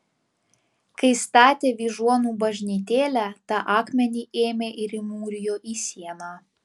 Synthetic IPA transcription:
kɐɪst̪ɑːt̪ʲeːʋʲiːʒuɔnuːbɐʒʲnʲit̪ʲeːlʲæt̪ɐʔɑːkmʲɛnʲiːʔeːmʲeːʔɪɾɪmuːɾʲɪjoːʔiːsʲiɛnɑː

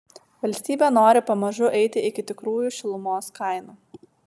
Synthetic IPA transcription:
ʋɐlʲsʲt̪ʲiːbʲeːnoːɾʲɪpɐmɐʒʊʔɛɪt̪ʲɪɪkʲɪt̪ʲɪkɾuːjuːʃʲɪlˠʊmoːskɐɪnuː

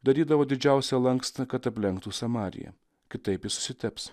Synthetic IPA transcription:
d̪ɐɾʲiːd̪ɐʋoːd̪ʲɪd͡ʒʲæˑʊsʲɛlˠɐŋkst̪ɐkɐt̪ɐpʲlʲɛŋkt̪uːsɐmɑːɾʲɪ̰jɛ̰ | kʲɪt̪ɐɪpjɪsʊ̥sʲɪt̪ʲɛps

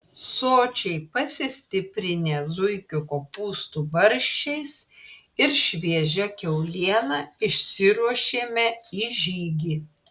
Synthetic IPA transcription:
soːt͡ʃʲɛɪpɐsʲɪsʲt̪ʲɪpʲɾʲɪnʲeːzʊɪkʲʊkoːpuːst̪uːbɐɾʲʃʲt͡ʃʲɛɪs | ɪɾʃʲʋʲiɛʒʲɛkʲɛʊlʲiɛnɑːɪʃʲsʲɪɾuɔʃʲeːmʲɛiːʒʲiːɡʲiː

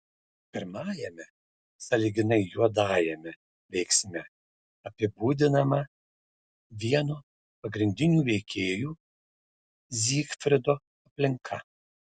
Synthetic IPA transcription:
pʲɪɾmɑːjɛmʲɛ | sɐlʲiːɡʲɪnɐɪjuɔd̪ɑːjɛmʲɛ | ʋʲɛɪksʲmʲɛ | ɐpʲɪbuːd̪ʲɪnɐmɐ | ʋʲiɛnoː | pɐɡɾʲɪnʲd̪ʲɪnʲuːʋʲɛɪkʲʰeːjuː | zʲiːkfʲɾʲɪd̪oː | ɐpʲlʲɪŋkʰɐ

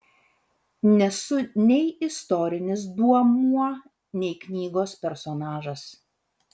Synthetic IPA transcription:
nʲɛsʊnʲɛɪɪst̪ɔɾʲɪnʲɪs̬d̪uɔmuɔ | nʲɛɪknʲiːɡoːspʲɛɾsɔːnɑːʒɐs

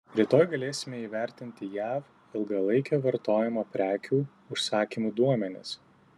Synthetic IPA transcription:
ɾʲit̪oːjɡɐlʲeːsʲɪmʲɛiːʋʲæˑɾʲt̪ʲɪnʲt̪ʲɪjæːf | ɪlˠɡɐlˠɐɪkʲoːʋɐɾt̪oːjɛmoːpʲɾʲæːkʲuː | ʊʃsɑːkʲimuːd̪uɔmʲɛnʲɪ̰s

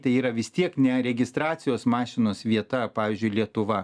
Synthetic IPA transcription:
t̪ɐɪiːɾɐʋʲɪst̪ʲiɛknʲɛɾʲɛɡʲɪst̪ɾɑːtsʲɪjoːsmɑːʃʲɪnoːsʋʲiɛt̪ɐpɑːʋʲiːzʲd͡ʒʲʊɪlʲiɛt̪ʊʋɐ

